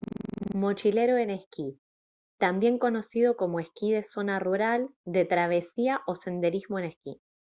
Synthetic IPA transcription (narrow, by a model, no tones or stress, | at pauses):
mo̞t͡ʃile̞ɾoene̞hki | t̪ambje̞ŋko̞no̞sið̞o̞ko̞moehkiðe̞so̞naruɾald̪e̞t̪ɾaβ̞e̞siaʔo̞se̞nd̪e̞ɾizmoenehki